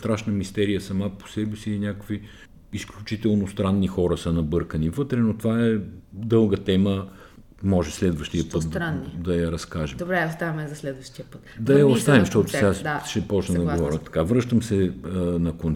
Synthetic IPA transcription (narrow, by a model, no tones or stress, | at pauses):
st̪ɾaʃnəmist̪ɛɾijəsɐmapo̥sɛbɛsiinʲjakəkvi | isklʲut͡ʃit̪ɛlˠnost̪ɾanːixɔɾəsənɐbɤɾkənivɤt̪ɾɛnot̪ovaɛd̪ɤlˠɡət̪ɛmə | mɔʒɛslɛd̪vəʃt̪ijəpɤt̪̚d̪ɾanːd̪ɐjɐɾɐskaʒɛd̪obɾɛost̪avʲɐmɛzɐslɛd̪vɐʃt̪iəpət̪d̪ɐjɐost̪avimʃt̪ɔt̪ʊsɛad̪aʃɛpɔt͡ʃnɐd̪ɐɡovɔɾʲət̪ɐ̥kavɾɤʃt̪əmsɛnɐkon